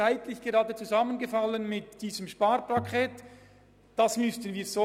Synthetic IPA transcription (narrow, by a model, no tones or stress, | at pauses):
aɪtlɪçɡ̥eʁɑːdət͡suzɑmənɡəfɑlənmɪtd̥iːzəmʃpaːrpakʰχɛːt | d̥ɑsmʏstənviːzo